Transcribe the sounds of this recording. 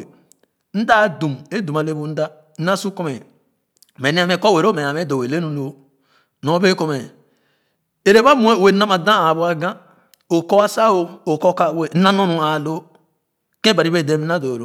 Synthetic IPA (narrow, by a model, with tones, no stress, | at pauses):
n̩˦da˦˨du˨me˦du˨ma˨le˦bu˦n̩˦da˦ | n̩˦na˦su˦ko˦me˨ | me˨ne˦a˦me˦kɔ˦˨we˨ɾo˦me˨a˨me˦do˨e˨le˦nu˨no˨˦ | no˨˦be˦ko˨me˨ | e˨ɾe˦ba˦mu˦e˦˨we˨˦na˦ma˨dã˦a˨bu˨˦a˨ɡã˦ | o˨kɔ˦a˦sa˦o˦o˨ko˦ka˦˨we˨˦a˦no˦nu˨a˨lo˦ | ke˦ba˨ɾi˦be˦˨de˦na˦do˨ɾo˦